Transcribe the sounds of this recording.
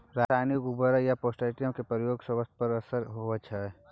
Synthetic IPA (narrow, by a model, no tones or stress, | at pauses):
ɾaːsajnɪkubəɾjapoːsʈaːɪʈijəmkepɾəjoːɡsəʋəst̪̚ʰpəɾəsəɾɦoət͡ʃʰɛ